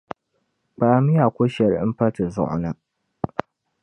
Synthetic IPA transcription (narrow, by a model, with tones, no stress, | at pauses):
k͡paː˨˦mɪ˦ja˨kʷo˦ʃɛ˨ɾm̩˦pɐ˦ta˨zʊ̰˦ʔʊ̰˨na˦